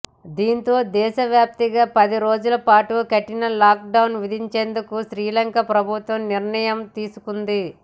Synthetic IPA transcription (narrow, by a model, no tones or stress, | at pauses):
d̪iːnt̪o̞ːd̪ɛːʃɐʋjaːp̚t̪iɡaːpɐd̪iɾo̞ːd͡ʒulɐpaːʈukɐʈːinɐlaːk̚ɖɐwnʋid̪ʱiɲt͡ʃe̞ːnd̪ukuʃɾiːlɐŋkɐpɾɐbʱut̪ʋɐmniɾɳɐjɐmt̪iːsukund̪i